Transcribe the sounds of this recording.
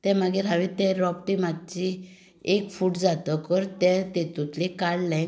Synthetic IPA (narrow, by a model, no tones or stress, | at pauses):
t̪ɛ̃maɡiɾɦãʋĩt̪ɛ̃ɾɔpʈimadt͡ɕi | ekfuːʈd͡zat̪əkəɾt̪ɛ̃t̪et̪ut̪likaɽlɛ̃